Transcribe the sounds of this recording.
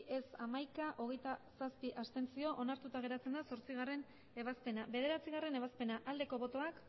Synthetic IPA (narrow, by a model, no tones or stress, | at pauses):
e̞samajkaʔo̞ɣ̞e̞jt̪asaspiʔast̪e̞nt͡sio̞ʔo̞naɾt̪ut̪aɣ̞e̞ɾat͡se̞nd̪aso̞ɾt͡siɣ̞are̞n | e̞βaspe̞naβe̞ð̞e̞ɾat͡siɣare̞ne̞β̞aspe̞naʔald̪e̞ko̞βo̞t̪o̞ak